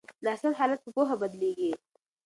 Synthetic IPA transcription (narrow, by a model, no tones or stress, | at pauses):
d̪ɑasalɦɑlat̪̚pəpoɦabad̪leɡi